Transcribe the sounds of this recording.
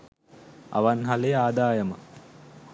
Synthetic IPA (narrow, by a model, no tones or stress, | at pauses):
a̰ʋanɦaleaːd̪aːjəmə̰